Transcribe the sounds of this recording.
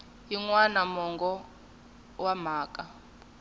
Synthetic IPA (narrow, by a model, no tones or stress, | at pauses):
jiŋwanamɔŋɡɔ | wam̤aːkʼa